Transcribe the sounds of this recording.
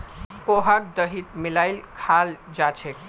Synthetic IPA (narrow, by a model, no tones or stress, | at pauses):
poɦak̚d̪əɦit̪milajlkʰald͡ʒat͡ʃʰek